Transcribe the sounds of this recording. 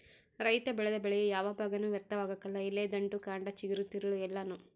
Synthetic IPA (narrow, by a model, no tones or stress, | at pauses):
ɾɐjt̪ɐbɛɭɛd̪ɐbɛɭɛjejaːʋɐbʱaːɡɐnuːʋjɐk̚t̪ɐʋaːɡɐkːɐlːɐileːd̪ɐɳɖukaːɳɖɐt͡ʃiɡiɾut̪ːiɾuɭuɛlːɐnu